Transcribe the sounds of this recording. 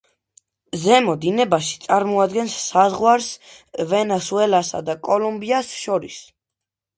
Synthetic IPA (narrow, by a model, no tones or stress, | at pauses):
zɛmɔd̪inɛbaʃi̥t̪sʼaɾmɔad̪̚ɡɛnsːazʁwaɾsvɛnɛsuɛlasa̰d̪akʼɔlumbiasʃɔɾis